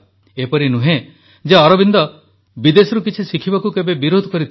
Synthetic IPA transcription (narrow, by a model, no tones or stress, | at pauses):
epɔɾinuɦẽ | d͡ʒeɔɾɔbind̪ɔ | bid̪esɔɾukit͡ʃʰisikʰibakukebebiɾod̪ʱɔkɔɾit̪ʰ